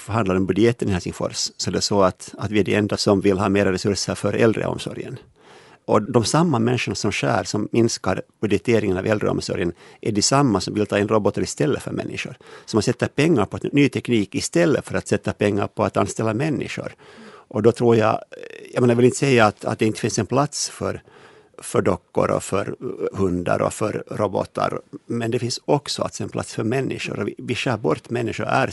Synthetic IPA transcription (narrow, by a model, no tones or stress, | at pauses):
fœɾhand̪laɾɔmbɵd̪jɛt̪ːənɪhɛlsɪŋfɔ̰ɾssɔɛd̪ɛsɔat̪at̪ʋɪæɖɛɛnd̪asɔmvɪlɦɑːmeːɾaɾɛsʉɾʂəɾfœɾʔɛld̪ɾə̰ʔɔ̰msɔ̰ɾjə̰n | ʔɔd̪ɔmsamːamɛnʂəɳasɔmɕæ̰ːɾsɔmːɪnskaɾb̥ɵd̪jɛt̪ʰeːɾɪŋənavʔɛld̪ɾə̰ɔ̰msɔ̰ɾjənʔæɖɛsamːasɔmvɪlt̪ʰɑːɪnɾɔbɔt̪ːəɾɪst̪ɛlːəfœ̰ɾmɛ̰nːɪʂʊɾsɔmhasɛt̪ːapɛŋːaɾpʰɔnyːt̪ʰɛkniːkɪst̪ɛlːəfœɾat̪sɛt̪ːapʰɛŋːaɾpʰɔat̪anst̪ɛlːamɛnːɪ̰ʂʊ̰ɾʔɔd̪ɔt̪ʰɾuːɾja̰jɑmenavɪlɪnt̪əsɛjːaːt̪a̰t̪̚d̪ɛɪnt̪ə̥fɪnsɛnpʰlat̪sfœɾ | fœɖɔkːʊ̰ɾɔ̰fœɾhɵnd̪a̰ɾɔ̰fœɾɾɔbɔ̰t̪ːa̰ɾmɛnd̪ɛfɪnsɔksɔa̰t̪sɔɛnpʰla̰t̪sfœɾmɛnːɪ̰ʂʊ̰ɾɔɪvɪʂœɾbɔɾt̪mɛnːɪʂʊɾæ̰ɾ